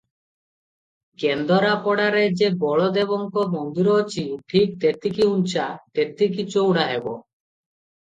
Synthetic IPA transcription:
kend̪ɔɾapɔɽaɾed͡ʒebɔɭɔd̪ebɔŋkɔmɔnd̪iɾɔt͡ʃʰiʈʰik̚t̪et̪ikiunt͡ʃʰat̪et̪ik̬it͡ʃowɽaɦebɔ

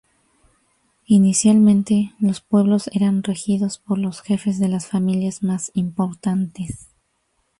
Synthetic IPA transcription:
inisjalmẽnt̪e̞lo̞spwe̞βlo̞se̞ɾanrexiðo̞spo̞ɾlo̞sxe̞fe̞zðe̞lasfamiljazmasimpo̞ɾt̪ant̪e̞s

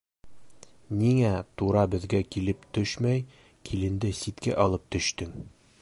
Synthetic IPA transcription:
niŋæt̪uɾɑbɘ̆ðɡækilɘpt̪ɵʃmæj | kʰilɘ̆nd̪ɘsit̪kæ̰ʔɒlˠɤp̚t̪ɵ̆ɕt̪ɘŋ

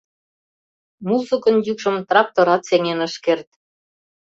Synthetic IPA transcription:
muzə̆kɤ̆njykʃɤ̆mt̪rɑk̚t̪oɾɑt̪seŋenə̆ʃkert̪̚

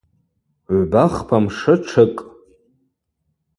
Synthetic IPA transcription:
ʕʷbaχpʰamʂɨʈ͡ʂʰɨkʼ

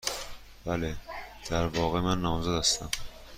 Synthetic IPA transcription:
b̥æled̪̥æɾvɒːɣemænːɒːmzæd̪æst̪æm

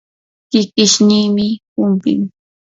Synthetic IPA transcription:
kɪkɪʃniːmɪpʊmpɪ̰m

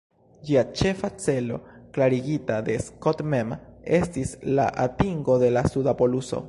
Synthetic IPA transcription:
d͡ʒiat͡ʃe̞fat͡se̞lo̞̰klaɾiɡitad̪e̞skotmeme̞stisla̰ʔatiŋɡo̞de̞lasudapo̞luso̞̰

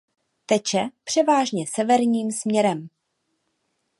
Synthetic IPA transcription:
t̪ɛt͡ʃɛpr̝̥ɛvaːʒɲɛsɛvɛɾɲiːmsmɲɛɾɛm

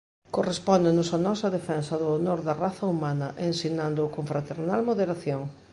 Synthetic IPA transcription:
korespɔnd̪enʊsanɔsɐðefɛnsɐðʊonoɾðɐraθɐumanɐʔensinand̪ʊkoɱfɾat̪eɾnalmoðeɾaθjoŋ

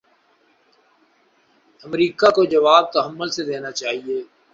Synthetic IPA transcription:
əmɾiːkakod͡ʒɐʋaːb̚t̪əɦəmːəlsed̪eːnat͡ʃaːɦieː

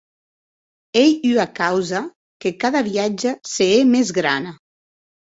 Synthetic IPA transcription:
ejyakawza | kekaðaβiad͡ʒaseemezɣɾana

